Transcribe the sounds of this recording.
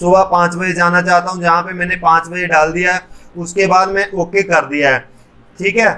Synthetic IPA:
sʊːbapãːt͡ʃbɐed͡ʒaːnat͡ʃaːɦt̪aɦũd͡ʒɐɦãpemɛ̃ːnepãːt͡ʃbɐd͡ʒeɖaːld̪ijaɦɛːʊskebaːd̪mɛ̃ʔoːkekɐɾd̪ijaɦɛː | ʈʰiːkɦɛː

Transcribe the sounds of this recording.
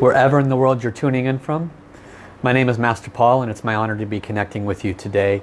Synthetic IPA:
wə˞ʔɛvə˞ɨ̃nðəwɜ˞lˠdd͡ʒjə˞tʰʉ̃nɪ̃ŋɨ̃nfɹʌ̃mː | aɪñẽɪ̃mɨzmæstə˞pʰɔlˠə̃nɨtsmaɪɑnə˞ɾɨbikʰɨnɛk̚tʰɪ̃ŋwɨðjɨtʰɨdeɪ

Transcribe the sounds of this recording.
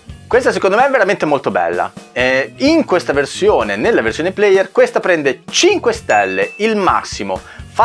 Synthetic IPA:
kwest̪asekond̪omeɛvːeɾament̪emolt̪obɛ̰lːa̰ɛiŋkwest̪aversjoːnenelːaversjoːneplɛjːerkwest̪apɾɛnd̪et͡ʃiŋkwest̪ɛlːeilma̰sːimo̰ | fa

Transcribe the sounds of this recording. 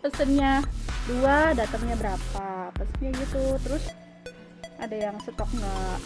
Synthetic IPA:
pəsənɲaduadat̪əŋɲabəɾapapəsənɲaiɲat̪ut̪əɾʊs | ʔadajaŋsət̪ɔkŋɡa

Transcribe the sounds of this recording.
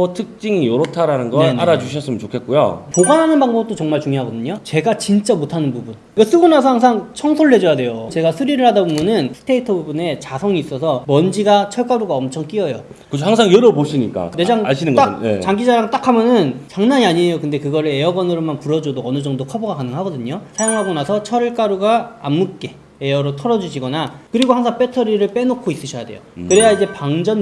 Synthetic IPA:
otʰɯk̚t͡ɕ͈iŋijoɾʌtʰaɾanɯnɡʌenna̰ɾad͡ʑuɕʰʌs͈ɯmənt͡ɕokʰe̞t̚k͈ujo̰poɡanɦanɯnbaŋbʌt͈ot͡ɕʌŋmaɭt͡ɕuŋjoɦaɡʌdɯɲot͡ɕe̞ɡat͡ɕint͡ɕ͈amotʰanɯnpubun | iɡʌs͈ɯɡunasʰʌhaŋsʰaŋt͡ɕʰʌŋsʰoɭːe̞d͡ʑʌjade̞jot͡ɕe̞ɡasʰɯɾiɾɯɭhadabumunɯnsʰɯ̥tʰe̞itʰʌbubune̞t͡ɕasʰʌŋiːs͈ʌsʰʌmʌnd͡ʑiɡat͡ɕʰʌɭk͈aɾuɡaʌmt͡ɕʰʌŋk͈iʌjo | kkɯt͡ɕʰoɦaŋsʰaŋjʌɾʌpoɕʰiɲik͈a̰ned͡ʑaŋaɕʰinɯnɡ͈aket͡ɕaŋɡid͡ʑaɾaŋt͈akʰamjʌnɯnt͡ɕaŋnaɲiaɲiejokɯnde̞kɯɡʌɾɯɭe̞ʌɡwʌnɯɾomanpuɾʌd͡ʑodoʌnɯd͡ʑʌŋdokʰʌboɡakanɯŋɦaɡʌdɯɲosʰajoŋɦaɡonasʰʌt͡ɕʰʌɭk͈aɾuɡaːmːuk͈e̞ | ejʌɾotʰʌɾʌd͡ʑuɕʰiɡʌnakɯɾiɡohaŋsʰaŋp͈e̞tʰʌɾiɾɯɭp͈e̞nokʰois͈ɯɕʰʌjade̞jo̰kɯɾe̞jaid͡ʑe̞paŋd͡ʑʌn

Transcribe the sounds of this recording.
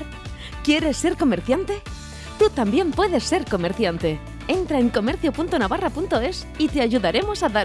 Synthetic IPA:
kje̞ɾe̞sːe̞ɾko̞me̞ɾθjant̪e̞ | t̪ut̪ambje̞mpwe̞ðe̞sːe̞ɾko̞me̞ɾθjant̪e̞ | e̞nt̪ɾae̞ŋko̞me̞ɾθjo̞punt̪onaβarapunt̪o̞e̞s | it̪e̞aʝuðaɾe̞mo̞saða

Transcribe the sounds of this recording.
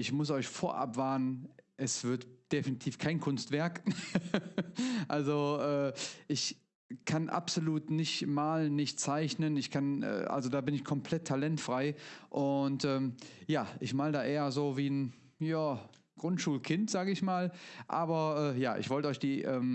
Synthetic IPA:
ʔɪçmʊs̬ʔɔʏçfoːɐʔa̰pv̥aːɐnənʔɛsv̥ɪɐtd̥efinitʰiːfkʰaɪnkʰʊnstv̥ɛɐk | ʔalzoʔɛːʔɪç | kʰanʔa̰pz̥oluːtnɪçtmaːlənːɪçtt͡saɪçnənɪçkʰanʔɛ̰ːʔa̰lzodaːbɪnɪçkʰɔmpʰl̥ɛtʰːalɛntfʁ̥aɪʔʊntʔɛːmjaːʔɪçmaːldaːʔeːɐzoːviːn | jaː | ɡ̥ʁʊntʃuːlkʰɪntz̥aːɡəɪçmaːlʔaːbɐʔɛːjaːʔɪ̰çv̥ɔltəɔʏçd̥iːʔɛːm

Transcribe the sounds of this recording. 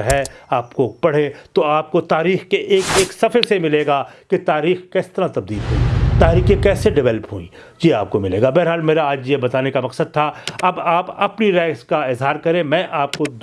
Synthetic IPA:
ɦɛaːpkopɐɽ̤ẽt̪oaːp̚kot̪aːɾiːxkeʔeːkeːksɐfʰəɾsemɪleːɡaket̪aːɾiːxkɛːst̪ɐɾat̪ɐb̚d̪iːlɦũḭ̃t̪aːɾiːkẽkɛːseɖɪʋɛːləpɦṵḭ̃ːd͡ʒiaːp̚komɪleːɡabɛːɾɦaːlmeːɾaaːd͡ʒjebɐt̪aːnekamɐqsəd̪̚t̪ʰaɐbaːpɐpniɾɛːskaɪzɦaːɾkɐɾẽmɛ̃ːʔaːp̚kod̪

